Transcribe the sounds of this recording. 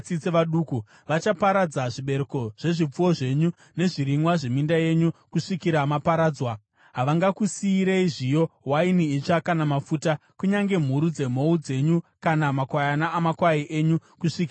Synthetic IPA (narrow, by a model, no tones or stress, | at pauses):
t͡sit͡seʋaɗuːku | ʋat͡ʃapaɾad͡zaʐiɓe̞ɾeko̞ʐ̥e̞ʐip͡fuwo̞ʐe̞ɲu | ne̞ʐiɾiŋwaʐe̞mindaje̞ɲukuʂikiɾamapaɾaːd͡zwa | ɦaʋaŋɡakusiːɾeiʐijo̞wainiit͡ʂakanamafutakuɲaŋɡe̞m̤uɾud͡ze̞m̤o̞ud͡ze̞ɲukanamakwajanaːmakwaiʔe̞ɲukuʂikia